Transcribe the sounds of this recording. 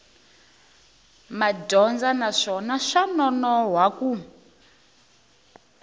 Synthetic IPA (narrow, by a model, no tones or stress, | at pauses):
madɔnd͡zanaʂɔnaʂanɔnɔɦwaku